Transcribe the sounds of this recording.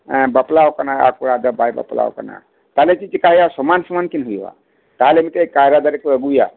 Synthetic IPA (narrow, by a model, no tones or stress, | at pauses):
bəplawkənaja̰kuɽad̪əbajbə̰pla̰w̰kə̰na̰ | t̪aɦlet͡ʃit͡ʃikaɦiasɔmansɔmankinɦujwa̰ | t̪aɦalemiʈekaɾad̪aɾekeəɡuja